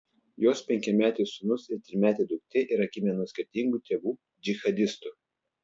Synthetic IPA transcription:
joːspʲɛŋʲkʲɛmʲæːt̪ʲɛɪsʊnʊsɪɾt̪ʲɾʲɪmʲæːt̪ʲɛɪd̪ʊk̚t̪ʲɪʔɪɾɐkʲɪmʲɛnɔsʲkʲɪɾʲt̪ʲɪŋɡuːt̪ʲeːbuː | d͡ʒʲɪxɐd̪ʲɪst̪ʊ

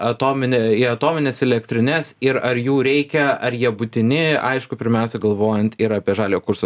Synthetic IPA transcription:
ɐt̪oːmʲɪnʲɛɪɐt̪oːmʲɪnʲɛsɛlʲɛkt̪ʲɾʲɪnʲɛsɪɾɐɾjuːɾʲɛɪkʲɛɐɾjiɛbʊt̪ʲɪnʲɪɐɪʃkʊpʲɪɾʲmʲæˑʊsʲɛɡɐlˠʋoːjɛnt̪ɪɾɐːpʲiɛʒɑːlʲejokʊɾso

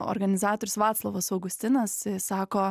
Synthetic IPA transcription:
o̰ɾɡɐnʲɪzɑːt̪oːɾʲʊsʋɑːt̪slˠoʋɐsɐʊɡʊsʲt̪ʲɪnɐssɑːkoː

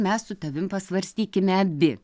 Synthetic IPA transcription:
mʲɛssʊt̪ɐʋʲɪmpɐsʋɐɾʲsʲt̪ʲiːkʲɪmʲɛɐbʲɪ

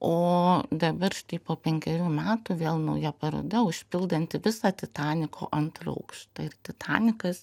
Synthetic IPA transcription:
oːd̪ɐbɐɾʃt̪ɐɪpoːpʲɛŋʲkʲɛɾʲuːmʲæːt̪uʋʲeːlˠnɐʊjɛpɐɾo̰ːd̪ɐʊʃʲpʲɪlˠd̪ɐnʲt̪ʲɪʋʲɪsɑːt̪ʲɪt̪ɑːnʲɪkʰo̰ːʔɐnt̪rɐ̰ʊkʃt̪ɐɪrt̪ʲɪt̪ʰɑ̰ːnʲɪkɐs

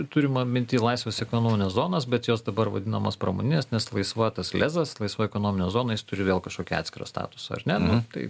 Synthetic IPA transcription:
t̪ʊɾʲɪmɐmʲɪnʲt̪ʲiːlˠɑɪsʋʲeːsɛkoːnoːmʲɪnʲɛszoːnɐsbʲɛt̪joːsd̪ɐbɐɾʋɐ̰d̪ʲɪnɐmɐspɾɐmo̰ːnʲɪnʲeːsnʲɛslˠɐɪsʋɐt̪ɐslʲæːzɐslˠɐɪsʋɐɛkoːnoːmʲɪnʲɛzoːnɐjɪst̪ʊɾʲɪʋʲeːlˠkɐʃkoːkʲiɑ̰t̪ʲsʲkʲɪɾɐ̰st̪ɑ̰ːt̪ʊ̥sɐɐ̰ɾnʲɛnʊt̪ɐɪ

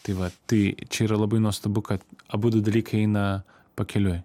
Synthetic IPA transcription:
t̪ɐɪʋɐt̪ɐɪt͡ʃʲɛiːɾɐlˠɐbɐɪnuɔst̪ɐbʊkɐt̪ɐbuːd̪ʊd̪ɐlʲiːkɐɪɛɪnɐ | pɐkʲɛlʲʊj

